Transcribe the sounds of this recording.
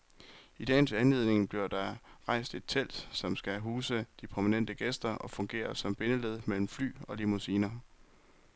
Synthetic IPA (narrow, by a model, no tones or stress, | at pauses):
id̥ɛ̰ːnsænlið̞̰ˠne̝ŋb̥liɐd̥ɑ̈ʁɑ̈ɪ̰sd̥e̝d̥̚t͡sʰel̰d̥sɒ̽msɡ̥æɦuːsəd̥ipʰʁomænen̰d̥əɡ̥esd̥ɐʔɒ̽fɔ̽ŋɡ̥e̝̰ːɐsɒ̽mb̥e̝nəleð̞̰ˠmel̰m̩fly̰ːɒ̽limusiːnɐ